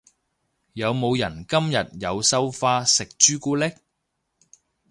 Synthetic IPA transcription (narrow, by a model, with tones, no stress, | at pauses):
jɐ˨˧wmo˨˧wjɐ˨˩nkɐ˥mjɐ˨t̚jɐ˨˧wsɐ˥wfaː˧sɪ˨k̚t͡ʃyː˥kuː˥lɪ˥k̚